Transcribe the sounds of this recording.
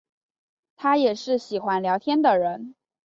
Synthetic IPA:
t̪ʰa˥jɛ˨˩ʂɻ̩˥˩ɕi˨˩xwa˧˥nljɑ˧˥ʊt̪ʰjɛ˥nd̪ə˨ɻə˧˥n

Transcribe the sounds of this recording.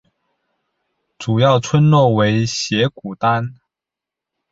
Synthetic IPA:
ʈ͡ʂu˨˩jɑ˥˩ʊt͡sʰwə˥nlwɔ˥˩we˧˥ɪɕjɛ˧˥ku˨˩t̪a˥n

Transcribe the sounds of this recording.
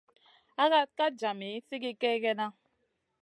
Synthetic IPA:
a˦ɣa˦t̚ka˦d͡ʒa˨mi˨˦si˦ki˦ke˦ke˦na˦

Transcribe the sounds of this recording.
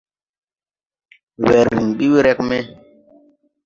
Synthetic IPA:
wɛ˨ɾːi˨ŋɓi˦wɾɛ˦kmɛ˦

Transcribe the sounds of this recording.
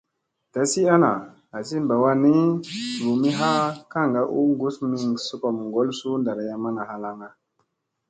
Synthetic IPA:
ta˨si˦a˦na˨ | a˨si˦mba˨wa˦ni˦ɾu˨mi˦ɦa˦ka˦˨ŋɡa˦ʔu˦ŋɡu˦smi˦ŋsu˦ko˨m˨ŋɡo˦lsu˦nda˨ɾa˦ja˦ma˦na˨ha˦la˨ŋa˨

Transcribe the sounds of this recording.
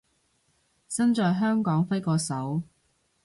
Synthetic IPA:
sɐ˥nt͡ʃɔː˨jɦœː˥ŋkɔː˨˥ŋfɐ˥jkɔː˧sɐ˨˥w

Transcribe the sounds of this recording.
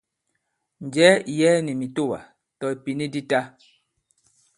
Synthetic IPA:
n̩˨d͡ʒɛ˨˦˨jɛː˦ni˨mi˨to˦˨wa̰˨ | tɔ˨i˨pi˨ni˦di˦ta˦

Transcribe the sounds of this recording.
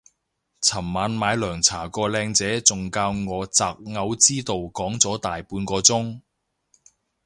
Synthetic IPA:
t͡sʰɐ˨˩mmaː˨˧nmaː˨˧jlœː˨˩ŋt͡sʰaː˨˩kɔː˧lɛː˧ŋt͡sɛː˨˥t͡sʊ˨ŋkaː˧wŋɔː˨˧t͡saː˨˧k̚ŋɐ˨˧wt͡siː˥t̪o˨wkɔː˨˥ŋt͡sɔː˨˥t̪aː˨jpuː˧nkɔː˧t͡sʊ˥ŋ

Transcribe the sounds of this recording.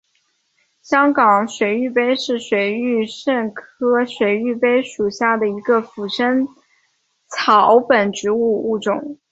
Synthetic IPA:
ɕjɑ˥ŋkɑ˨˩ŋɕwe˨˧˩ɪy˥˩pe˥ɪʂɻ̩˥˩ɕwe˨˩ɪy˥˧ʂə˥˩ŋkʰɤ˥ɕwe˧˩ɪy˥˩pe˥ɪʂu˨˩ɕja˥˩d̪ə˩i˧˥ɡə˧fu˨˩ʂə˥n | t͡sʰɑ˨˧˩ʊpə˨˩nʈ͡ʂɻ̩˧˥u˥˧u˥˩ʈ͡ʂʊ˨˩˦ŋ

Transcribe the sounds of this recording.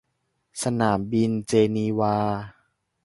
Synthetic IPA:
sa˧naː˩˦mbi˧nt͡ɕeː˧niː˧waː˧

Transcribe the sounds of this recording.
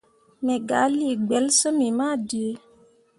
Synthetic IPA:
mɛ˨ɡa˨˦li˦˨ɡ͡bɛ˨˦lsə˦mi˨ma˦˨di˨e˦

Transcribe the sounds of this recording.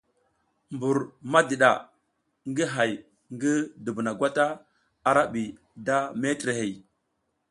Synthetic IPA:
mbu˨ɾma˦di˨ɗa˨ | ŋɡi˦ɦa˨j | ŋɡi˦də˨bna˨ɡʷa˦ta˦ | a˨ɾa˦ɓi˨ | da˦me˦tɾe˨he˨

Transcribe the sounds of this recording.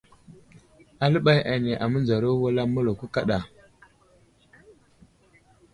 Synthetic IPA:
a˨lə˦ɓa˦ja˨ne˨ʔa˨mə˦nd͡za˨ɾo˦wa˦la˦mu˦lo˨ku˦ka˦ɗa˨

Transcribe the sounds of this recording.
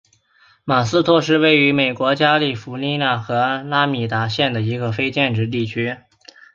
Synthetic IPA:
ma˨˩sɹ̩˥t̪ʰwɔ˥˧ʂ̬ɻ̩˥˧we˥˩ɪy˧˥me˨˩ɪkwɔ˧˥t͡ɕja˥li˥˩fu˧˥li˥na˥˩xɤ˧˥la˥mi˨˩t̪a˧˥ɕjɛ˥˩nd̪ə˩i˧˥ɡə˧fe˥ɪt͡ɕjɛ˥˧nʈ͡ʂɻ̩˧˥t̪̬i˥˩t͡ɕʰy˥

